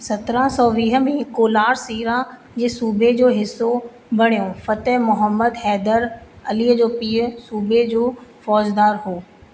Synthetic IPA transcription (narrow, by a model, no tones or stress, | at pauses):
sɐt̪ɾãsɔːʋiːɦə̆mẽːkoːlaːɾsiːɾa | d͡ʑeːsuːbʱed͡ʑoːɦɪsːo | bʱɐɽ̤ijõfɐt̪əɦmʊɦəmːəd̪ɦɛːd̪əɾɐliːəd͡ʑoːpiːʊsuːbʱed͡ʑoːfɔːd͡ʑd̪aːɾɦoː